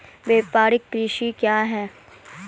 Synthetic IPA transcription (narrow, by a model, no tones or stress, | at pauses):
ʋeːpaːɾɪk̚pɾiːʃikjaːɦɛː